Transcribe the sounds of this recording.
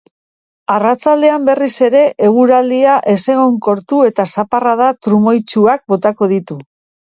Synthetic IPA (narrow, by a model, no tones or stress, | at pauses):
arat͡sald̪e̞ambe̞rise̞ɾe̞ʔeɣ̞uɾald̪iaʔe̞se̞ɣ̞o̞ŋko̞ɾt̪ue̞t̪asaparað̞at̪ɾumojt͡ʃuak̚bo̞t̪ako̞ð̞it̪u